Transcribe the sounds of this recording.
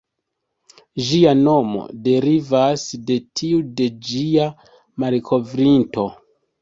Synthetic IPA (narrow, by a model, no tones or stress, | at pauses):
ʒiano̞mo̞̰de̞ɾivasde̞tʰiude̞d͡ʒia | maɾkʰo̞vɾinto̞